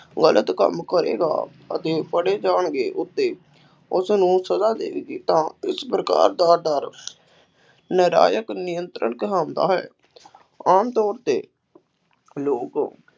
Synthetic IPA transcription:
ɡəlʔət̪kə̰mkəɾḛːɡa̰ː | ət̪eːpəɽeːd͡ʒaːɳɡeːʔʊt̪ːeː | ʊsnũːsəzaːd̪ḛːʋeːɡiːt̪ãːɪspɾəka̰ːɾd̪aːɖəɾ | nəɾa̰ːjəknɪjənt̪ɾə̰ɳkəɦãːnd̪a̰ːɦɛ̰ː | aːmt̪ɔːɾt̪eː | loːkː

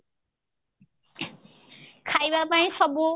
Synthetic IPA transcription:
kʰajbapaĩsʌbu

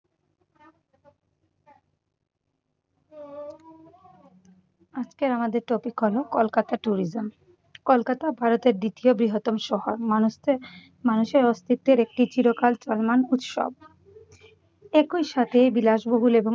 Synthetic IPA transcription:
ad͡ʑkeɾamad̪eɾʈ̪opikʰɔlokolkat̪aʈuɾid͡ʑom | kolkat̪abʱaɾot̪eɾd̪it̪iobɾiɦot̪ːomʃɔɦoɾmanuʃt̪ʰe | manuʃeɾɔst̪ʰit̪ːeɾek̚ʈid͡ʑiɾokalt͡ɕɔlmanut̪ʃo̰b̚ | ekujʃat̪ʰejbilaʃboɦulebo

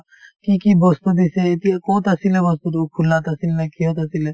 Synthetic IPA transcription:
kikibost̪od̪iset̪ikoːt̪ɐsilebɐs̬but̪ukʰulːat̪ɐsilnɐkiɦot̪̬ɐsile

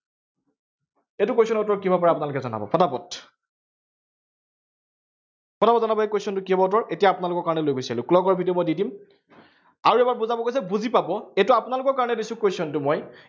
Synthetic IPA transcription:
etʊkojsɔnɔtɔɹkibapɔɹɛap̬ʊnalʊkɛzɔna̰bɔ̰pʰɔtapɔt | pʰɔtapɔdzɔnabɔekwejsɔntʊkiɔbɔtɔɹʔetijaːpʊnalʊkɔɹkaɹɔnɛlojɡojsalʊ̃klɔɡɔɹbʱidimɔjdidim | aɹuɛbaɹbuzabɔkojs̬ɛbuzipabɔetʊapʊnalʊkɔɹkaɹɔnɛdisʊ̃kejsɔntʊmɔj

